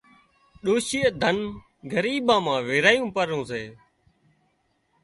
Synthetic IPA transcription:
ɗoːʃiːəd̪ʱən | ɡəɾiːbãːmãːʋeːɾaːjũːpəɾõːseː

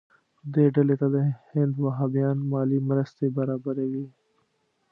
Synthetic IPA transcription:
d̪eːɖɐlet̪ɐd̪ehɪ̃nd̪wɐɦaːbijaːnmaːlimɾɐst̪ebɐɾaːbɐɾeːɡiː

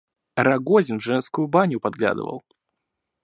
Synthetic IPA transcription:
ɾɐɡozʲɪnʐɛnskʊjʊbanʲʊpɐd̪̚ɡlʲa̰d̪ə̰və̰lˠ

